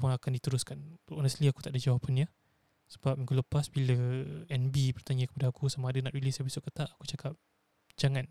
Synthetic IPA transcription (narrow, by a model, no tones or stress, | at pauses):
pʊnakandit̪əɾʊskanɔnəst̪liaku̥t̪aʔdəd͡ʒawapʰanja | sə̥bap̚miŋkuləpasbiləɛnbipərt̪aɲakəpadaːkusamaːdanaʔɾilisjapisʊʔkːət̪aʔakut͡ʃakap̚ | d͡ʒaŋan